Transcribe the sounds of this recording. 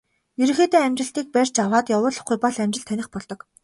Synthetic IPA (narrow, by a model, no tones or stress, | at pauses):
jeɾɘ̆xeːt̪eːæmʲt͡ɕɪ̆ɬt̪iːk̚pærʲt͡ɕawaːt̪jawʊːɮɞ̆χɡujpɔɮæmt͡ɕɪ̆ɬt̪ʰænʲɪ̆χpɔɮt̪ɞ̆k